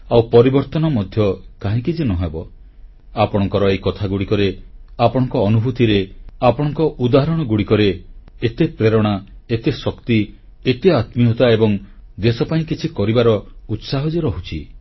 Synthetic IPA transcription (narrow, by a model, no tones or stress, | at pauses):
awpɔɾibɔɾt̪ɔnɔmɔd̪ʱjɔkaɦĩkid͡ʒinɔɦebɔ | apɔɽ̃ɔŋkɔɾɔejkɔt̪ʰaɡuɽikɔɾeapɔɽ̃ɔŋkɔːnubʱut̪iɾeapɔɽ̃ɔŋkɔʔud̪aɦaɾɔɽ̃ɔɡuɽikɔɾeːt̪epɾeɾɔɽ̃aet̪esɔkt̪iet̪eat̪miɔt̪aebɔŋd̪esɔpaĩkit͡ʃʰikɔɾibaɾɔut̪saɦɔd͡ʒiɾɔɦut͡ʃʰi